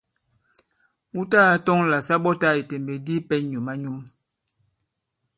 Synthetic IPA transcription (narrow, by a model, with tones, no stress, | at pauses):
u˦ta˦a˦tɔ˦ŋla˨sa˦ɓɔ˦ta˦˨i˨te˨mbe˨di˦pɛ˦ɲu˨ma˦ɲu˦m